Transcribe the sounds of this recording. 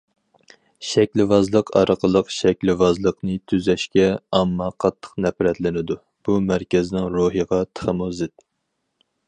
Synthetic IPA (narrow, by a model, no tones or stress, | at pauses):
ʃɛkʲlɪvɑzlˠəqʰɑ̰ɾəqʰəlˠəqʃɛkʲlɪvɑzlˠəqnɨt̪ʰyzɛʃkʲɛɑmːɑqʰɑt̪ʰːə̥qnɛpɾɛt̪lɪnɪd̪u | b̥umæɾkʲɛzɪnɪŋɾoɦəʁɑt̪ʰə̥χəmozɪt̪̚